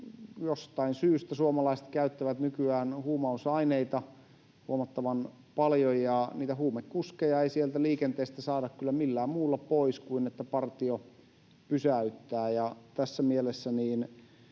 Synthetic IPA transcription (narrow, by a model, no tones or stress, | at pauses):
jost̪ɑinsyːst̪æsuomɑlɑiset̪kæyt̪ːæʋæt̪nykyæːnhuːmɑusɑineit̪ɑ | huomɑt̪ːɑʋɑn | pɑljojjɑniːt̪æhuːmekkuskejɑeisielt̪æliːkent̪eːst̪æsɑːdɑkkylːæmilːæːmmuːlːɑpoiskuinet̪ːæpɑrt̪io | pysæyt̪ːæːjɑt̪æsːæmielesːæniːn